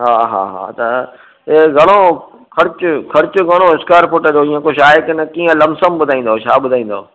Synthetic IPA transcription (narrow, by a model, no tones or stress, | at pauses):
ɦaːɦa̰ːɦa̰ːt̪ɐ | eɡʱɐɽ̃oː | kʰɐɾt͡ɕʊkʰɐɾt͡ɕʊɡɐɽ̃oɪskaːɾpʊʈəd͡ʑoːĩːə̃koːʃaːɪkɪnəkiːə̃lɐmsəmbʊd̪ʱaːĩːn̆d̪ot͡ʃʰaːɓʊd̪ʱaːĩːn̆d̪o̰ː